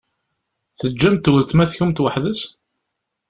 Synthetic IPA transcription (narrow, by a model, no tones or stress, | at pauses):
θəd͡ʒːæmt̪wəlt̪mæθçumt̪wəħðəs